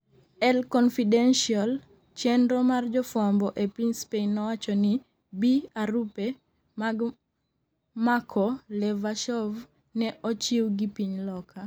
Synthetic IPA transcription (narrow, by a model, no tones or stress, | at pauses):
ɛlkɔnfidɛnʃial | t͡ʃɛndɾɔmard͡ʒɔfwambɔʔɛpiɲspenːɔwat͡ʃɔni | biaɾupe | maɡ | makʰɔlɛvaʃɔv | nɛʔɔt͡ʃiwɡipiɲlɔkʰa